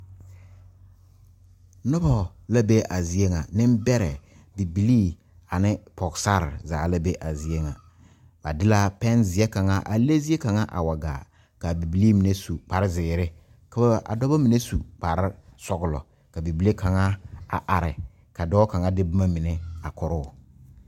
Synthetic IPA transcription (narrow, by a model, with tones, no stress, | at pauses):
nɔ˦bɔ˨la˦be˦ʔa˨zi˨e˦ŋa˨nɪ˦m˦bɛ˦ɾɛ˨ | bi˨bi˨li˦ | a˨nɪ˦pɔ˨ɡsa˦ɾzaː˨la˦be˦ʔa˨zi˨e˦ŋa˨ | ba̰˨dɪ˦la˦pɛ˦nzɪ˨ɛ˦ka˨ŋa˦ʔa˨le˦zi˦e˦ka˨ŋa˦ʔa̰˨wa˨ɡa̰ː˨ | ka˨bi˨bi˨liː˦mi˨ne˦su˨k͡pa˨ɾɪ˦zɪː˨ɾɪ˦ | ka˦ba˦˨ʔa̰˨dɔ˦ba˦mi˨ne˦su˨k͡pa˨ɾɪ˦sɔ˨ɡʊ˨lɔ̰˨ | ka˨bi˨bi˨˦le˦kʰa˨ŋa˦a̰˨ʔa˨ɾɪ̰˨ | ka˨dɔː˦ka˨ŋa˦dɪ˦bʊ˦ma˦mɪ˨ne˦a˨kɔ˨ɾʊ˦˨